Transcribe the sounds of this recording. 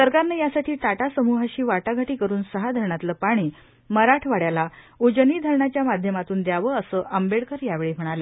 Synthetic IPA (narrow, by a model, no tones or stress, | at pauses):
səɾkaɾnəjasaʈʰiːʈaʈasəmuɦaɕiːʋaʈaɡʱaʈiːkəɾuːnsəɦad̪ʱəɾɳat̪ləːpaɽ̃iː | məɾaʈʰʋaɽjala | ud͡ʑəniːd̪ʱəɾɳat͡ɕjamad̪ʱjəmat̪uːnd̪jaʋəəsəːʔəmbeɽkəɾjaʋeɭem̤əɽ̃ale